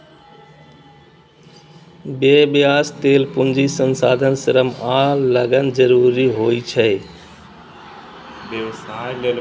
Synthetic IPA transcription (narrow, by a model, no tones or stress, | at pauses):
bebjaːst̪eːlpʊnd͡ʒisə̃nsa̰ːd̪ʱənsɪɾəmaːlləɡən̆d͡ʒəɾuːɾiɦoːit͡ʃʰə | beʋsall